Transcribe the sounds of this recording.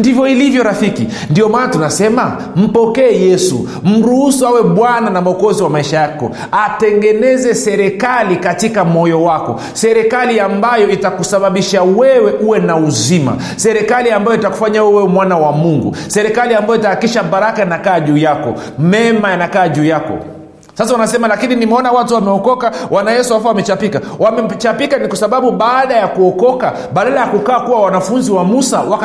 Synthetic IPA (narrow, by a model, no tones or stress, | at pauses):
ndivjɔilivjɔɾafiki | ndiɔmaːnatunasɛma | m̩pɔkɛːjɛsṵ | m̩ɾuhusuawɛɓwananamaɔkɔziwamaiʃajakɔ̰ | atɛŋɡɛnɛzɛsɛɾɛkalikatikamɔjɔwakɔ̰ | sɛɾɛkaliambajɔitakusaɓaɓiʃawɛwɛʔuwɛnauzima̰ | sɛɾɛkaliambajɔitaku̥faɲawɛwɛwɛmwanawamuŋɡṵsɛɾɛkaliambajɔitaakiʃaɓaɾakajanakaːʄuːjakɔ̰mɛmajanakaːʄuːjakɔ̰ | sas̬awanasɛmalakininimɛɔnawatuwamɛɔkɔkawanajɛsuaafawamɛt͡ʃapika | wʔamɛt͡ʃapikanikwasaɓaɓuɓaːɗajakuɔkɔka | ɓaɗalajakukaːkuwawanafunziwamusawa